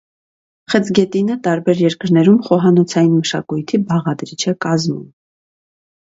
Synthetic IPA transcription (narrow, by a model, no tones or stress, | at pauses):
χɛt͡sɡɛt̪inət̪ɑɾbɛɾjɛɾkəɾnɛɾumχɔɦɑnɔt͡sʰɑjinməʃɑkujt̪ʰibɑʁɑd̪ɾit͡ʃʰɛkɑzmṵm